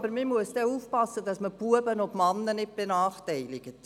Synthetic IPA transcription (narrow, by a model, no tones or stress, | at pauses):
bəɾmɪmuəsd̥ɛuːfpɑsːədɑsməb̥uəbənɔbmɑnːənɪt̚b̥enɑːχtɛɪlɪɡət